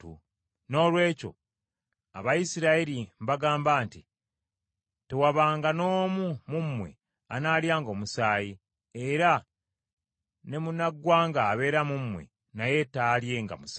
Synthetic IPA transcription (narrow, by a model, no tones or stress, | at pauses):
ṵ | no̞ːlwe̞ːco̞̰ | a̰βajisiɾaiɾimβaɡaːmbaːnti | te̞waβaːŋɡano̞ːmumumːwe̞̰ | anaːljaːŋɡo̞ːmusaːji | eɾa | ne̞munaɡwaːŋɡaːβe̞ːɾamumwḛ | naje̞talje̞ŋɡa̰mus